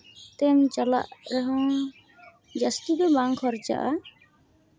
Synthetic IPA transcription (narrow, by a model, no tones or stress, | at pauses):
t̪ɛmt͡ʃala̰ʔɾɛɦɔ̃ | d͡ʒast̪ibɛbaŋkʰɔɾt͡ʃa̰ʔa̰